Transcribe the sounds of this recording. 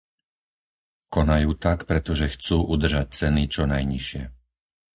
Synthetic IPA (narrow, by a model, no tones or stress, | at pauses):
kɔnajuːt̪akpɾɛt̪ɔʒɛxt͡suːʔud̪r̩ʒac̚t͡sɛnit͡ʃɔnajɲiʃɪɛ